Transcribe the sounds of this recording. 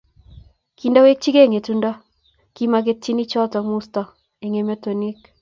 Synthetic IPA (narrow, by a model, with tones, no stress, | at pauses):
ki˨nda˦we˦k̚t͡ʃi˦ke˦˨ŋe˨tundɔ˦ | ki˦ma˨k̬e˦tːi˦ni˦t͡ʃɔ˦tɔ˨mu˦stɔ˨ | e˨ŋe˨mo˦to˨ni˦k